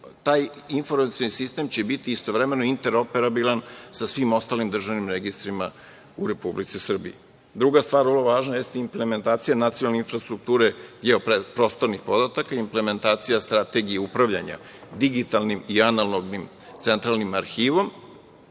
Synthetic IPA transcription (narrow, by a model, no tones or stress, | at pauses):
t̪aːj | info̞ɾmat̪sionisist̪emt͡ɕebit̪iːst̪o̞ʋɾeme̞no̞int̪e̞ɾo̞pe̞ɾabilˠansasʋimo̞st̪aːlimd̪r̩ʒaʋnimɾeɡist̪ɾima | uɾe̞publit̪sisr̩bḭji | d̪ɾuɡast̪ʋaːɾvlˠoʋaːʒnajest̪impleme̞nt̪aːt̪sijanat̪sionalneinfɾast̪ɾuk̚t̪uːɾeɡeopepɾo̞ːst̪o̞ɾnixpo̞d̪at̪akaimple̞me̞nt̪aːt̪sijast̪ɾat̪e̞ɡijeupɾaʋʎa̰ɲa̰ | d̪iɡit̪alˠnimianalloɡnim | t̪se̞nt̪ɾalˠnimaɾxiːʋo̞m